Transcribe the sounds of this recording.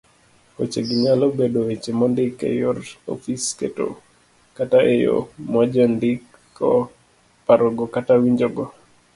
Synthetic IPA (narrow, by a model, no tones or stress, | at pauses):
ko̰t͡ʃeɡiɲalobedoet͡ʃemɔndɪkḛjɔɾɔ̰fiskḛto̰ | kataʔejo̰mad͡ʒɔndɪk | ɔ | paɾɔɡɔkatawiɲd͡ʒoɡɔ